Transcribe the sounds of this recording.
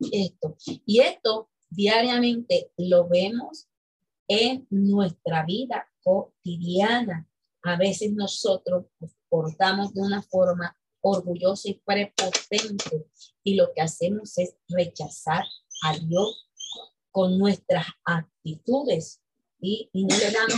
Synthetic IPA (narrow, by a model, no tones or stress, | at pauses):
est̪o̞ie̞st̪o̞ | ðjaɾjamẽ̞nt̪e̞lo̞βe̞mo̞s | e̞ŋnwe̞st̪ɾaβiðako̞t̪iðjana | aβe̞se̞sno̞so̞t̪ɾo̞spospo̞ɾt̪amo̞sd̪e̞unafo̞ɾma | oɾɣuʝo̞saipɾe̞po̞t̪e̞nt̪e̞ | ilo̞kease̞mo̞se̞sre̞t͡ʃasaɾaðjo̞s | ko̞nːwe̞st̪ɾasak̚t̪it̪uðe̞s | iːno̞leðamo